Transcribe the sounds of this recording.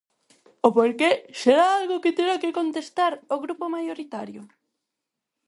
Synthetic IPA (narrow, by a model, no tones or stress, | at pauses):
opoɾkeseɾaalɣʊkɪt̪eɾakekont̪est̪aɾoɣɾupomajoɾit̪aɾjʊ